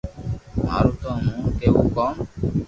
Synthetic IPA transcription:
ma̰ɾut̪ɔ̃mũkeṵkɔm

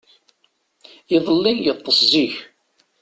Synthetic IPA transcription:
iðˤəlːinjət̪ˤːəsziç

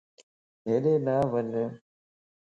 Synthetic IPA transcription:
ɦeːɗeːnaːʋəɲ

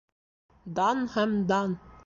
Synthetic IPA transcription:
d̪ɑnhæmd̪ɑn

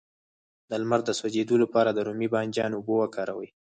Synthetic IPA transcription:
d̪əlmaɾd̪əswad͡ʒed̪olapɑɾad̪əɾomibɑnd͡ʒjɑnobowakʰɑɾawəj

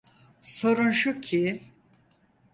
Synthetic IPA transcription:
so̞ɾunʃucʰi

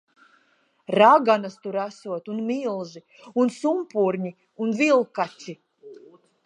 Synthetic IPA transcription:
ɾaɡanast̪uɾæsuɔt̪unmilˠʒi | unsumpuɾɲi | unvilˠkat͡sʲi

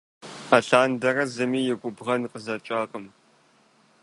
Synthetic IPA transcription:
ɐɬaːndɐrɐzɨmiːjɪɡʷʼʊbʁɐnqəzɐt͡ʃʼaːqʼəm

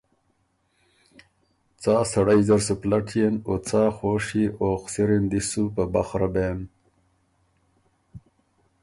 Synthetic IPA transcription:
t͡saːsɐɽajzɐɾsuplaʈʰijenot͡saːxoːʂiʔoːxsiɾind̪isupaba̰xɾabeːn

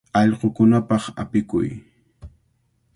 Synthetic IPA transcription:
ɑʎqokʊnapɑχa̰pɪkʊ̰j

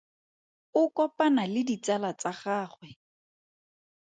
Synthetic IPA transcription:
ʊkɔpanalɪdit͡salat͡saχaːχwɛ

